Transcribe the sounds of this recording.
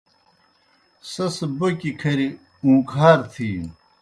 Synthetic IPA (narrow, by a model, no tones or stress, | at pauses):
sɐsbɐkikʰɐɾi | ũːkʰaːɾt̪ʰiː